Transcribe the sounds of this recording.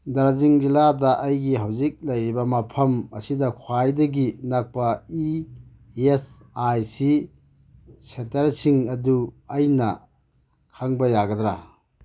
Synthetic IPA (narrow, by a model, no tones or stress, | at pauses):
dɐɾziŋd͡ʒiladɐʔɐjɡiɦawzik̚lɐjɾibɐmɐpʰɐmɐsidɐkʰwajdɐɡinak̚pɐi | esajsi | setɐɾsiŋɐduɐjnɐ | kʰaŋbɐjaɡɐdɾa̰